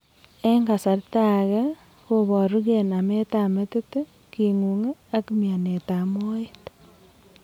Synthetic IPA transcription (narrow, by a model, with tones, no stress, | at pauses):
e˦ŋɡa˨sa˨ɾta˨ɣe˦ | ko˦βo˨ɾu˦ɣe˨na˨me˦ta˦me˦te˦te˦ | kiŋu˨ŋe˦a˦kimja˨ne˨ta˨mo˦et